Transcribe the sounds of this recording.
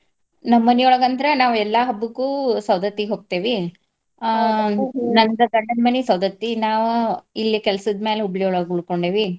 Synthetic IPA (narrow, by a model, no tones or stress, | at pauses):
nɐmːɐnijɔɭɐɡɐnd̪ɐɾɐnaːʋɛlːɐɦɐbːukuːsɐwd̪ɐt̪ːiɡɦoːɡ̚t̪eːʋi | nɐnd̪ɐɡɐɳɖɐnmɐnisɐwd̪ɐt̪ːinaːʋuilːikɛlɐsɐd̪meːleubɭijoːɭɐɡuɭkoɳɖeːʋi